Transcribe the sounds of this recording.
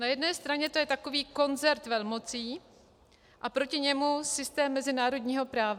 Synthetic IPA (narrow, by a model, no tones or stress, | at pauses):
najɛdnɛːst̪ɾaɲɛt̪ojɛt̪ako̞viːko̞nzɛɾt̪vɛlmo̞t͡siː | ʔapɾo̞cɪɲɛmusɪst̪ɛːmːɛzɪnaːɾo̞dɲiːɦo̞pɾaːva